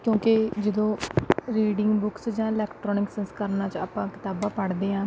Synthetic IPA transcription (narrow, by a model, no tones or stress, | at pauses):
kjõːkɪd͡ʒəd̪õːɾiːɖɪ̃ŋɡbʊksd͡ʒãːɪlɛːkʈɾɔːnɪksɛ̃nskəɾnaːt͡ʃaːpãːkɪ̥t̪aːbãːpəɽd̪eːɦãː